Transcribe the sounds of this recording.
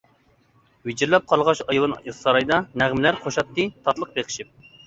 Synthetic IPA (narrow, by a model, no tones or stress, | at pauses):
wed͡ʒɪɾlɛp̚qʰɑlˠʁɑʃɑjlɨniχsɑɾɑjd̪ɑnæʁmɪlæɾqʰoʃɑt̪ːɨt̪ʰɑt̪lˠəq̚beqɪ̥ʃip̚